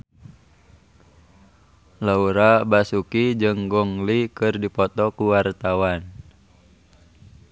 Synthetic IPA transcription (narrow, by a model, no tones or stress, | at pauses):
lauɾabasukid͡ʒɨŋɡɔŋlikɨrdipɔt̪ɔkuwart̪awan